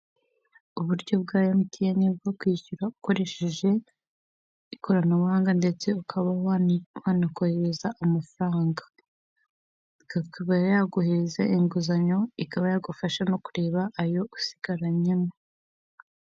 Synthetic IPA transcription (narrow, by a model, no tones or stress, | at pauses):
uβuɾɟo̞b̚ɡaːjamutʰijenib̚ɡokwiːçuɾauko̞ɾe̞ʃe̞ʒe̞ | ikʰo̞ɾanawaːŋɡandet͡se̞ukʰaβawaːnakoheɾezaʔːmafɾaːŋɡa | ikakaβajaɡuhezeʔiŋɡuzaɲo̞ikaβajaɡufaʃano̞kuɾe̞ːβaʔːjo̞usi̥ɡ̥aɾaɲe̞mo